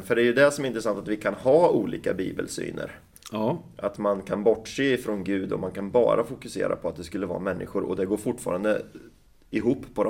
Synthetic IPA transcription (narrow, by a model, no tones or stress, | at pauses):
fœɖɛæɾjɵd̪ɛsɔmæɾɪnt̪ɾəsant̪at̪vɪkʰanhɑːuːliːkabḭːbəlsy̰ːnə̰ɾ | ʔat̪mankʰanbɔʈːʂeːɪfɾɔnɡʉ̟ːd̪ɔ̰mankʰanbɑ̰ːɾʔafʊkɵsḛːɾʔa̰pʰɔat̪̚d̪ɛskɵlːəvɑ̰ːmɛnːɪɧʊɾɔ̰d̪ɛɡoːɾfʊʈːfɑ̰ːɾand̪ə̰ | ɪɦuːpːʰɔd̪